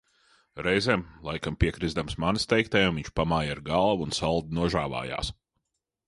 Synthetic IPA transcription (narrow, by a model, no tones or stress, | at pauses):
ɾɛjzeːmlˠajkampʲiɛkɾizd̪amsmanist̪ɛjk̚t̪ɛjumviɲt͡ʃpamaːjaɾɡalˠʋuunsalˠd̪inuɔʒaːva̰ːja̰ːs